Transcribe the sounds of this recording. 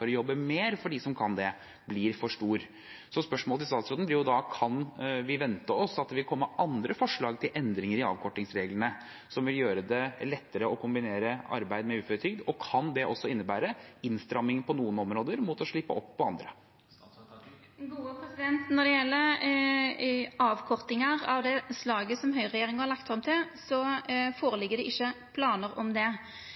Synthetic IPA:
ɔɾɔjɔbːəmeːɾfɔɖiːsɔmkʰɑnd̪ɛ | blɪːɾfɔʂʈuːɾ | sɔspœʂmɔːlt̪ɪst̪ɑːt̪sɾoːd̪nblɪɾjʊd̪ɑkʰɑnʋɪʋɛnt̪əɔsɑt̪̚d̪ɛʋɪlkʰɔmːəʔɑnd̪ɾəfɔʂɭɑːɡt̪ʰɪlʔɛnd̪ɾɪŋəɾɪɑ̰ːʋkʰɔʈːɪŋsɾeːɡlənə | sɔmʋɪljøːɾəd̪ɛlɛt̪ːəɾəɔkʰʊmbɪneːɾəɑ̰ɾbæɪd̪mɛʉːfɔɾət̪ʰʏːɡ̚d̪ɔkʰɑnd̪ɛʔɔsːɔɪnːəbæːɾəɪnst̪ɾɑmːɪŋpʰɔnuːənɔmɾoːd̪əɾmʊt̪ɔʂɭɪpːə̰ʔɔpːɔɑnd̪ɾə | ɡuːəpʰɾɛsɪd̪ɛnt̪nɔɖ̪ɛjɛlːə | ɑːʋkʰɔʁt̪ɪŋəɾɑʋd̪ɛslɑːɡəsɔmɦœʏʁɛjeːɾɪŋəhɑɾɭɑkt̪fɾɑmt̪ʰɪlsɔfoːɾəlɪɡːəɖ̪ɛʔɪçːəpʰlɑːnəɾɔmd̪ɛ

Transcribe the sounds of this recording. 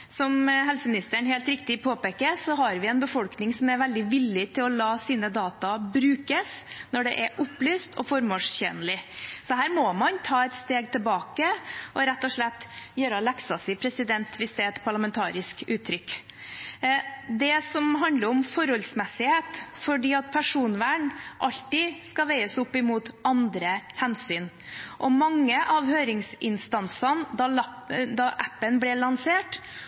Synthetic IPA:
sɔmɦɛlsəmɪnɪst̪əɳɦeːlt̪ɾɪkt̪ɪpʰoːpeːkəɾsɔɦɑɾʋɪɛnbəfɔlknɪŋsɔmæɾʋɛld̪ɪʋɪlːɪt̪ʰɪlɔlɑːsiːnəd̪ɑːt̪ɑbɾʉːkəsnɔɖɛ̰ʔɛɾʔʊplyːst̪ʰɔ̰fɔɾmoːʂçḛːnəlɪsɔɦæːɾmɔmɑnt̪ʰɑːɛt̪st̪eːɡt̪ʰɪlbɑːkəʔɔɾɛt̪ːɔʂɭɛt̪ːjøːɾəɔlɛksɑsɪpʰɾɛsɪd̪ɛnt̪ʋɪsd̪ɛɛt̪pʰɑɭɑmɛnt̪ʰɑːɾɪskʉːt̪ʰːɾʏkː | d̪ɛsɔmɦɑnd̪ləɾɔmfɔɾɔlsmɛsːɪheːt̪fɔɖiːɑt̪̚pʰæʂuːnʋæːɳʔɑlt̪ɪskɑʋæɪəsʊpːɪmuːt̪ɑnd̪ɾəhɛnsyːn | ʔɔmɑŋːəʔɑʋhøːɾɪŋsɪnst̪ɑnsɑnd̪ | d̪ɑʔæpːənblɪɭɑnseːʈ

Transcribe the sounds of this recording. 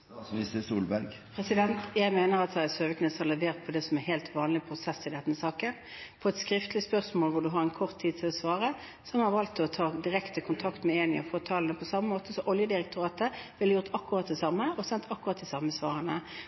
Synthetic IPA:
ɪsəsuːlbæɾɡ | pʰɾɛsɪd̪ɛnt̪jæɪmeːnəɾɑt̪jæsøːʋəknɛsɑʁlɛʋeːʁt̪̚pʰɔd̪ɛsɔmæɾɦeːlt̪ʋɑːnlɪpʰɾʊsɛsːɪd̪ɛnːəsɑːkən | pʰɔɛt̪skɾɪft̪lɪspœʁsmoːlʋʊɖʉɦɑɾɛnkʰɔʁt̪ʰːiːd̪̚t̪ʰɪlɔsʋɑːʁə | sɔmhɑʁʋɑlt̪ɔt̪ʰɑːd̪ɪʁɛkt̪əkʰʊnt̪ʰɑkt̪mɛeːnɪɑfoːt̪ʰɑːlənəpʰɔsɑmːəmoːt̪əsɔʔɔljəd̪ɪɾɛk̚t̪ʰʊʁɑːt̪əʋɪljʊʁt̪ʰɑkːʊʁɑt̪̚d̪ɛsɑmːəɔsɛnt̪ʰɑkːʊʁɑt̪̚d̪ɛsɑmːəsʋɑːʁənə

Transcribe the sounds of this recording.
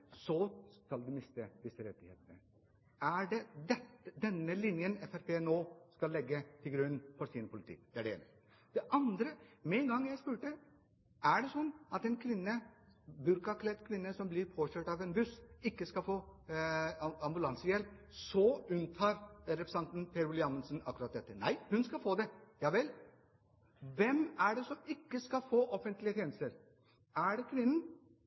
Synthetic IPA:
sɔskɑld̪ʉmɪst̪əd̪ɪsːəɾɛt̪ːɪhḛːt̪ənə | æɖɛd̪ɛt̪d̪ɛnːəlɪnjənɛfæɾpeːnoːskɑlːɛɡːət̪ʰɪlɡɾʉnːfɔɾʂinpʰʊlɪt̪ʰɪ̰kːd̪̥ɛæɖɛḛːnə | d̪̥ɛʔɑnd̪ɾəmɛːnɡɑŋːjæɪspʉːʈə | æɖɛsɔnːɑt̪ɛnkʰʋɪnːəbʉɾkɑkʰlɛt̪kʰʋɪnːəsɔmblɪɾpʰoːɕøːʈɑʋɛnbʉsɪkːəskɑfoː | ɑmbʉlɑnsəjɛlpsɔʉnt̪ʰɑːɾɾɛpɾɛsɑnt̪n̩pʰeːɾʊlɪɑmənsənɑkːʉɾɑt̪̚d̪ɛt̪ːənæ̰ɪhʉnskɑfoːd̪ɛjɑːʋɛl | ʋɛmæɖɛsɔmɪkːəskɑlfoːʔɔfənt̪lɪət̪ʰeːnəst̪əɾ | æɖɛkʰʋɪnːən

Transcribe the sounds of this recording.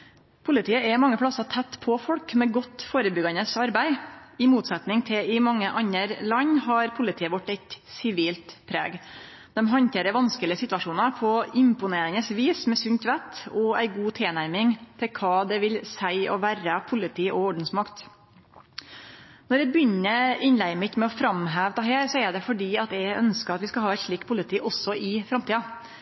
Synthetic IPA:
pʰʊlɪt̪ʰiːəɛmɑŋːəpʰɽɑsɑt̪ʰɛt̪ːpʰɔfɔɽkmɛɡɔt̪ːfoːɾəbʏɡɑnəsɑɾbæɪɪmuːt̪sɛt̪nɪŋt̪ʰɪlɪmɑŋːəʔɑɲəɾlɑɲːɦɑɾpʰʊlɪt̪ʰiːəʋɔʈːɛɪt̪sɪʋiːlt̪pʰɾḛːɡ | d̪̥ɛmɦɑnt̪eːɾəʋɑnskəlɪəsɪt̪ʋɑʂuːnɑpʰɔɪmpʊneːɾɪnəsʋiːsmɛsʉɲt̪ʋæt̪ɔæɪɡuːt̪ʰeːnæɾmɪŋt̪ʰɪlkʰɑːd̪ɛʋɪlsæɪʔɔ̰ʋæːɾəpʰʊlɪt̪ʰiːʔɔɔɖɳ̩smɑkt̪ | nɔɾɛbjʏnːəɪnlæɪmɪt̪mɛɔfɾɑmɦæːʋd̪ɑɦeːɾsɔɛɖɛfɔɖiːɑt̪jæɪœnskəɑt̪ʋɪskɑlɦɑːæɪt̪ʂɭiːkpʰʊlət̪ʰiːʔɔsːɔʔɪfɾɑmt̪iːɑ

